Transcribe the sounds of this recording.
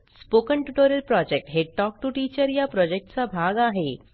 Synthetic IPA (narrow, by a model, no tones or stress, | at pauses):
spokəɳʈuʈoɾəlpɾɔd͡ʑek̚ʈɦeʈɔk̚ʈuʈit͡ɕəɾjapɾɔd͡ʑek̚ʈt͡sabʱaɡaɦe